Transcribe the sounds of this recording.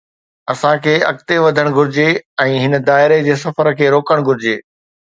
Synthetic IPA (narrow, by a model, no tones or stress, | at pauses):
ɐsãkʰeːɐ̰k̚t̪eʋɐd̪ʱəɽ̃ɡʱʊɾɪd͡ʑeɛ̃ːɦɪnə̆d̪aːɪɾed͡ʑeːs̬ɐfəɾkʰeːɾoːkəɽ̃ɡʱʊɾɪd͡ʑeː